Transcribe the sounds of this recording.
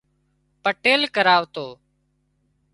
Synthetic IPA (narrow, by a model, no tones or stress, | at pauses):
pəʈeːlkəɾaːʋt̪oː